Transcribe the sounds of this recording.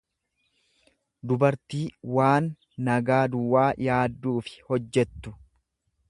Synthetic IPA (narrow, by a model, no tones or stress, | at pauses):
d̪ʊbɐɾt̪iːwaːnː | ɐɡaːd̪ʊwːaːjaːd̪ːuːfɪ̥hɔd͡ʒːɛt̪ːʊ